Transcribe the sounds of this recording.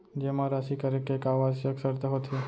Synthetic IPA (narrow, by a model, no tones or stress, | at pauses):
d͡ʒemãɾasikəɾekekaʋad͡ʒəksəɾt̪aɦot̪ʰe